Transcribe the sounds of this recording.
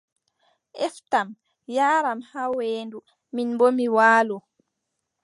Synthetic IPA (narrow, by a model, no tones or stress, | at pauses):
ʔɛftam | jaːɾamhaweːndu | minbomiwaːlɔ